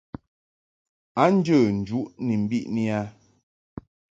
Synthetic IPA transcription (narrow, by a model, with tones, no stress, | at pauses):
a˦n̩˦d͡ʒə˦˨n̩˨d͡ʒu˦ʔni˨m̩˨bi˦ʔni˦a˦